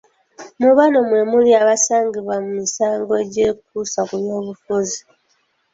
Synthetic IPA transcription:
muβanomwe̞muliaβasaːŋɡiβamumisaːŋɡoeɟe̞kusakuβjo̞ːβufuzi

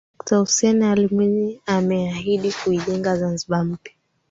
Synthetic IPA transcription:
ɗɔktausɛnɛalimwɛɲɛamɛaɦiɗikuiʄɛŋɡazanziɓam̩pja

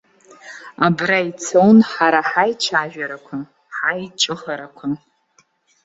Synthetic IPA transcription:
abrajt͡sʰownħaɾaħajt͡ʃʰaʒᶣaɾakʷʰa | ħajt͡ʃʼɨχaɾakʷʰa

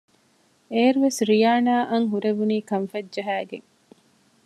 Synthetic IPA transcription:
eːɾuʋesɾijaːnaːʔɐŋɦuɾeʋuniːkɐɱfɐdd͡ʒɐɦæːɡḛŋ

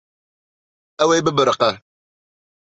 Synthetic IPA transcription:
awejbəbəɾqa

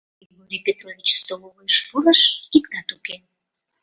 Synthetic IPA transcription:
ɡoɾʲipʲet̪rovʲit͡ɕst̪oloβojʃpuɾəʃikt̪ɑt̪uke

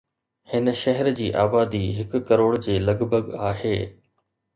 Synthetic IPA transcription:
hɪnə̆ʃɐɦɛɾd͡ʑiːʔaːbaːd̪iɦɪkʊ̆kɐɾoːɽd͡ʑeːlɐɡbʱəɡaːɦeː

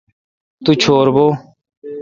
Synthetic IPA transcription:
t̪uːt͡ʃʰoːɾboː

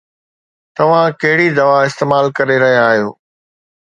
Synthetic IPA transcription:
t̪ɐʋ̤ãkɐɦɪɽid̪ɐʋaɪst̪eːmaːlkɐɾeɾɐɦijãːɦijoː

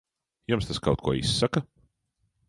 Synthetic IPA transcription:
jumst̪aska̰wt̪kuɔḭsːakɐ

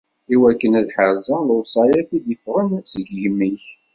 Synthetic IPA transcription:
iwækːənæðħəɾzˤəlʊsˤɑjæθid̪ifʁənsəɡʝəmːiç

